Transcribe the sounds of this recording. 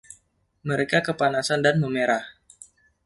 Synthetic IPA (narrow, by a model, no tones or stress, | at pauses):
məɾekakəpanasandanməmeɾah